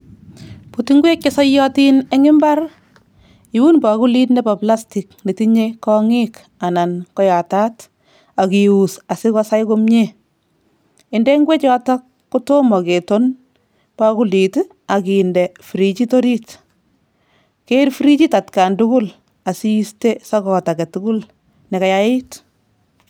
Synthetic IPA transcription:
putiŋɡwe˦kːesɔ˦jɔ˦ti˦ne˦ŋɪ˦mba˦r | i˨wu˦nba˨ku˦li˦tne˦pa˨pla˦sti˨k̚ne˨ti˦ɲekɔŋi˦k | a˨na˨nkɔ˦ja˨ta˦t | a˨kiusa˨si˦kɔ˦sa˦jkomɲe˦ | ɪndɛŋɡwe˦t͡ʃɔ˦tɔ˦kːu˦to˦mɔ˨ke˨ton | pa˦ku˦li˨t | a˨ki˨ndɛ˨fiɾit͡ʃitoɾi˦t | ke˦ɾfiɾi˦t͡ʃi˦ta˨tkandukʊ˦l | a˨siste˦sɔ˦kɔ˨ta˨ɡɛ˨tuku˦l | nɛka˨jaɪ˦t

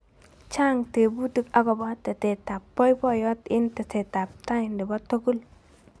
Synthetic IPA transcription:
t͡ʃa˦ŋte˨bu˦ti˦ka˦ɡɔ˨bɔ˦tɛ˨te˨ta˨pːɔ˦jbɔ˦jɔ˦tɪ˦ntɛ˨te˨ta˨p̚ta˦ɪ˨ndɪ˨bɔ˦to˦ɡu˦l

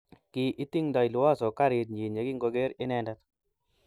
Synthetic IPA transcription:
kɪ˨ʔi˦t̪i˦ŋd̪a˨i˨lʊ˨˦a˦sɔ˨ka˦ɾɪ˨t̪̚ɲe˨ɲa˨ɡi˦ŋɡo˧ɡe˦ɾɪ˦nɛ˦nda˦t̪

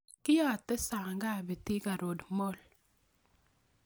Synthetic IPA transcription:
kɪ˦jɔ˦˨tːɛ˦sa˨ŋɡa˦˨be˨ti˦ka˨ɾo˨dmɔ˦˨l

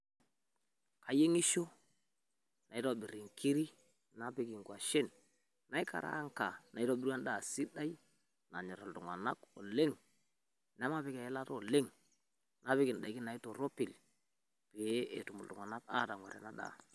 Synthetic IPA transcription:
kʰa˨je˦ŋi˦ʃo˦ | na˨ɪ˦to˨bi˨ɾi˨ŋkʰi˦ɾi˦ | na˦pɪ˦ki˨ŋkwa˨ʃɪ˦n | na˨˦jka̰˨ɾa̰˦ŋka˨na˨ɪ˦to˦bɪ˦ɾwa˦n˦da˨si˦ɗa˦j | na˨ɲɛ˨ɾa˨ltʊ˨ŋwa̰˨na˦ko˨le˦ŋ | na˦ma˦pɪ˦kɛ˨˦la˦to˨le˦ŋ | na˦pɪ˦kɪ˨n˨da˨jkɪ˦na˨ɪ˦to˨ɾo˦pɪ˨l | pe˨˦e˨tu˨mʊ̰˨ltʊ˨ŋwa˨na˦ka̰˦˨ta˨ŋwa̰˨ɾɛ̰˨na˦ɗa̰˨

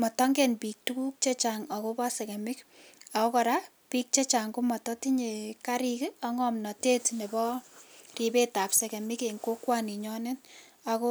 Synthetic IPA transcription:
mɔ˨tɔ˦ŋɡɛnpi˨k̚tuku˦k̚t͡ʃe˦t͡ʃa˨ŋɔ˨ko˦ba˦sɛ˨kɛ˨mɪ˦ka˨ko˦kɔ˨ɾa˦ | pi˦k̚t͡ʃe˦t͡ʃa˨ŋko˦mɔ˨tɔ˦ti˦ɲe˨kaɾikɔ˦ŋɔmnɔ˨te˦tne˨bɔ˦ri˨be˦ta˨psɛ˨kɛ˨mɪ˦ke˨ŋko˦kwani˨ɲɔ˦nɪ˦n | a˨ko˦

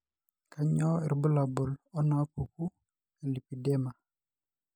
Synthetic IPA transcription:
ka˨ɲɔ˦ɪ˨ɾbu˦la˨bʊ˨lɔ˦na˨˦pu˨ku˦ | ɛ˨li˨pi˨dɛ˦ma˨

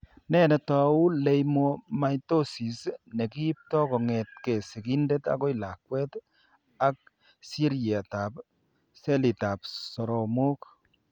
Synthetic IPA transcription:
nɛ˦nɛ˨ta˨u˦le˨jmo˨ma˨jto˦si˨sne˨ki˦p̚tɔ˦kɔ˨ŋe˨t̚ke˨sɪ˨ki˦nde˦ta̰ko˦jla˨kwɛ˦t | a˦k̚ | si˦ɾja˨ta˨p | se˦li˨ta˨psɔ˨ɾɔ˨mo˦k

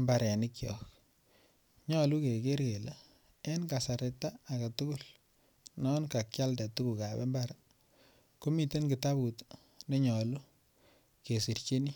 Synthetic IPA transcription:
mba˨ɾɛ˨nɪ˦kjɔ̰˨k | ɲɔ˨lu˦ke˨ke˦ɾke˨la˦ | e˦nka˨sa˨ɾe˨taː˦˨ka˨tu˦ku˦l | nɔ˦nka˨k̚t͡ʃa˦lda˨tu˦ku˨ka˨bḛ˦mba˦ɾa | ko˦mi˨te˦nki˨ta˦bu˨t | ne˦ɲɔ˨lu˦ | ke˨si˨rt͡ʃe˦ni˦

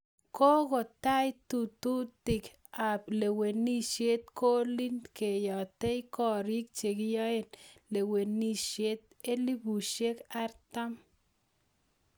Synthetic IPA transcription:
ko˦ɣo˨t̪a˦jt̪u˨t̪u˦t̪i˨k | a˨ple˨we˨ni˦ʃje˦t̪̚ko˦li˦nke˨jɔ˨t̪e˦jkɔ˦˨ɾi˦k̚t͡ʃe˨ki˦ja˦e˦nle˨we˨ni˦ʃe˦t̪̚ | e˦li˦bu˨ʃe˦ka˦ɾt̪a˦m

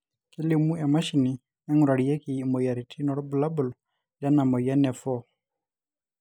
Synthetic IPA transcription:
kɪ˦lɪ˦˨mu˦ɛ˨ma˦ʃi˨ni˨ | ɛ˦ŋu˨ɾa˨ɾi˨ɛ˦ki˨mɔ˨ja˨ɾi˨tʰi˦nɔ˨ɾɔ˦bu˨la˦bu˨lɔ | d͡ʒa˦na˨mɔ˨ja˦nɛ˨fɔ˦

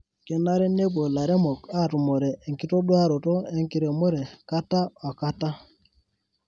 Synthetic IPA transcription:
ke˦na˦ɾe˦ne˦bo˨la˨ɾe˦mo˨ka˦˨tu˨mo˨ɾe˨e˨ŋki˦to˦ɗwa˦ɾo˨to˦e˦˨ŋki˨ɾe˨mo˦ɾe˨ka˦ta˦ɔ˨ka˦ta˦

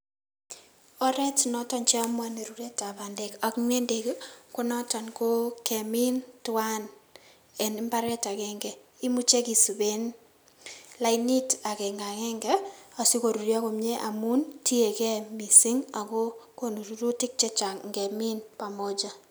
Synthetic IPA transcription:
ɔ˦ɾɛ˦tnɔ˦tɔ˨nt͡ʃɛ˦ɔ˦mwa˦ne˨ɾu˨ɾe˦ta˨ba˨nde˨ka˨kŋɛ˦nde˨kko˦nɔ˦tɔ˨nko˦kɛ˨mi˦ntʊ˦a˦n | ɛ˨nɪ˦mba˦ɾɛ˦ta˨kɛ˦ŋɡɛ˨ | i˦mu˦t͡ʃe˦ki˨su˨be˦n | la˨ini˦ta˨kɛ˨ŋɡa˨ŋɛ˦ŋɡɛ˦a˨si˦ko˨ɾu˨ɾja˦ko˨mɲɛ˦ʔa˨mu˦nti˦e˨kɛ˦mi˨sɪ˦ŋa˨ko˦ko˦nu˨ɾu˨˦ɾu˦tɪ˦k̚t͡ʃɛ˦t͡ʃa˨ŋŋɡɛ˨mi˦npa˨mo˦d͡ʒa˦

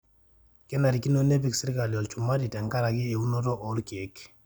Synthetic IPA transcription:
kɛ˦na˨ɾi˨ki˦no˦ne˦pi˦ksɪ˦ɾka˨ljɔ˨lt͡ʃu˨ma˦di˨ta˨ŋka˦ɾa˨ɡi˦e˨u˦no˦tɔ˦ʔɔ˦lki˨e˨k

